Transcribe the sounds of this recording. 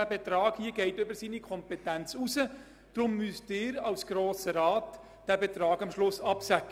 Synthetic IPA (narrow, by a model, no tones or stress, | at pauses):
æbetɾɑːɡhiːəɡɛɪtʏbəɾsiːnikʰɔmpɛtænt͡susə | d̥ɾʊmːystɪːɾɑlsɡ̥ɾoːsəɾɑːt | d̥æbetɾɑːɡɑmʃlʊsɑpsækə